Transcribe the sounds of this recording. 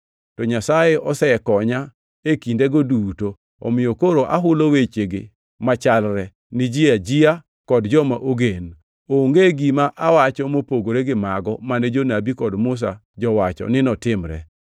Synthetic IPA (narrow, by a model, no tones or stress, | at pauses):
tɔɲasajeʔɔsɛɛkɔɲa | ekindeɡoduto | ɔ̰mɪjɔkoɾoʔa̰ɦʊlowet͡ʃeɡḛ | mat͡ʃalɾɛ | nɪd͡ʒiad͡ʒia | kɔdd͡ʒɔmaʔoɡen | oŋɡeɡimaʔawat͡ʃɔmopoɡoɾeɡɪmaɡɔmanɛd͡ʒonabikɔdmʊs̬a | d͡ʒɔwat͡ʃɔ̰nɪnɔtɪmɾɛ̰